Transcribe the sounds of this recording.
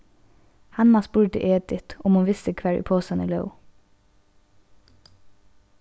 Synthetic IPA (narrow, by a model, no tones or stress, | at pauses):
hɑnmɑspʉːɖə̰ʔeːd̪ɪt̪ʔɔmʊːʋɪst̪əkʰʋæːɹʉ̰ːpʰoːsɑnəlɑ̰ʉ